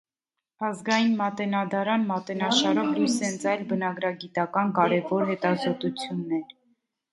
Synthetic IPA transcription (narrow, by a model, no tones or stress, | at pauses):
ɑzɡɑjinmɑt̪ɛnɑd̪ɑɾɑnmɑt̪ɛnɑʃɑɾɔvlujsɛnt͡sʰɑjlbənɑɡɾɑɡit̪ɑkɑnkɑɾɛvɔɾɦɛt̪ɑzɔt̪ut͡sʰjunːɛɾ